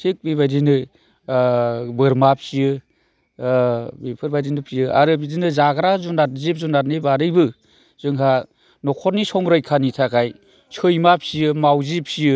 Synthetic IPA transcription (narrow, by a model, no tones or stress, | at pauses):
tʰik̚biβajdinɯ | bɯɾmap̚siɯ | bipʰɯɾbajdinɯpʰijɯa̰ɾɯbidinɯzaɡɾazunaɾzip̚zunaɾnebaɾɯjbɯ | z̥ɯŋɦa | nɔkʰɔɾnisɔŋɾɯjkʰanitʰakaj | sʰɯjmap̚sijɯmawzip̚sijɯ